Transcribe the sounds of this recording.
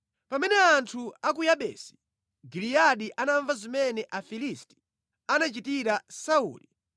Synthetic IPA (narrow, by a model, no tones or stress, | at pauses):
pamɛnɛantʰuakujaɓɛ̰ːsi̥ | ɡilijaɗiʔanaɱvazimɛnɛʔafilisti̥ | anat͡ʃitiɾasaṵːli